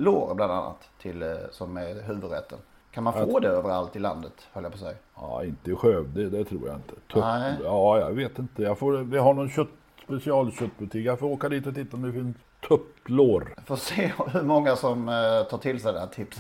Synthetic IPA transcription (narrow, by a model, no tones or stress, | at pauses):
loːɾbland̪a̰nːa̰t̪ʰːɪlsɔmæɾɦʉ̟ːvɵd̪ɾɛ̰t̪ʰːə̰n | kʰanmanfoːd̪ɛøːvəɾa̰lt̪ɪlːa̰nd̪ət̪hœljapʰɔsɛ̰jɑ̰ɪnt̪əɪɧøːvd̪ɛd̪ɛt̪ʰɾṵːɾja̰ɪnt̪ʰə̥t̪ʰɵjɑːjɑ̰veːt̪ɪnt̪əjɑɡfoːɾvɪɦaɳɔnɕœt̪ː | spɛsɪɑːlɕœt̪ːbɵʈ̪ʰiːkjafɾoːkaɖ̪iːt̪ɔt̪ʰɪt̪ːaɔmd̪ɛfɪns | t̪ʰɵpːloːɾfoːseːhɵɾmɔŋːasɔmt̪ʰɑːʈʰɪlsɛjd̪ɛnhæːʈʰɪpsə